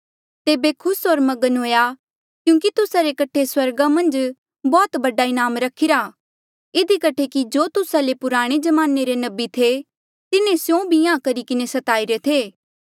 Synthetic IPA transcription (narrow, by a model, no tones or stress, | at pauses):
t̪eːbekʰʊsɦoːɾmɐɡənɦoːja | kjũːk̬it̪ʊsaɾekɐʈʰeswɐɾɡamɐ̃nd͡ʒ | bɔːt̪bɐɖaɪnaːmɾɐkʰɪɾaː | ɪd̪ikɐʈʰekid͡ʒoːt̪ʊsalepʊɾaːɽ̃ed͡ʒɐmaːneɾenɐbit̪ʰe | t̪ɪnẽsjõbʱijãːkɐɾikɪnesɐt̪aːiɾet̪ʰeː